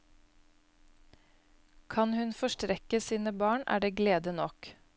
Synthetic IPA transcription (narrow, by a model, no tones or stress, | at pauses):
kʰɑnhʉnfɔʃtɾɛkəsiːnəbɑːɳæ̰ːɖeːɡleːd̪ənɔk